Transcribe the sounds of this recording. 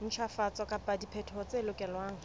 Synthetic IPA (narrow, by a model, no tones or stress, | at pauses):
n̩t͡ʃʰafat͡sʼɔkʼapʼadipʰɛtʰɔt͡selʊkʼɛlwaːŋ̩